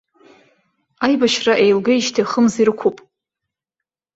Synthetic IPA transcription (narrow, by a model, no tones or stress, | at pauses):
ajbaʃraʔejlɡaiʃtʰiχəmziɾɨkʷʰupʼ